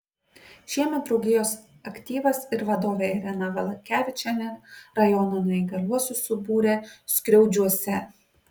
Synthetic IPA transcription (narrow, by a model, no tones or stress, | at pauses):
ʃʲiɛmʲɛt̪̚bɾɔʊɡʲɪjoːs | ɐkʲt̪ʲiːʋɐsɪɾʋɐd̪oːʋʲeːɪɾʲɛnɐʋʲɐlˠɐkʲæːʋʲɪt͡ʃʲɛnʲɛɾɐjɔnɐnɐiɡɐlʲuɔsʲʊsʊbuːɾʲeːsʲkɾʲɛʊd͡ʒʲuɔsʲɛ